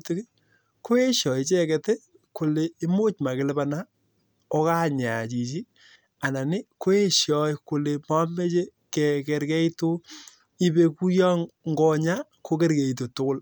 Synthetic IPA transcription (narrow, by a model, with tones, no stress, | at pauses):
te˦ki˦ | ko˦e˦ʃjɔ˨i˨t͡ʃɛ˦kɛ˨te˦ | ko˨leː˨˦mo˦t͡ʃma˨kɪ˨le˦ba˨na˦ | ɔ˦ka˦˨ɲa˨t͡ʃi˨t͡ʃi˦ | a˨na˨nɪ˦ko˦e˦ʃjɔ˦jko˨le˨ma˦me˦t͡ʃe˦ | kɛ˨kɛ˨ɾkɛ˦i˦to˦ | i˦be˦ku˦jɔ˦ŋŋɡɔ˦ɲa˦ | ko˦kɛ˦ɾkɛ˨i˨t̬o˨tʊ˦kʊ˦l